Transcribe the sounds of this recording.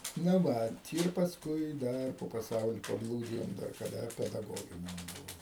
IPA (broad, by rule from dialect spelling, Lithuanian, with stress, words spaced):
nɐ ˈʋɐt ɪr pɐsˈkʊɪ ˈdɐr poː pɐˈsɐʊlʲɪ pɐˈblˠuːdʲɪjoːm dɐr kɐˈdɐ pʲɛdɐˈɡoːɡʲɪnʲɛm ˈbʊʋoːm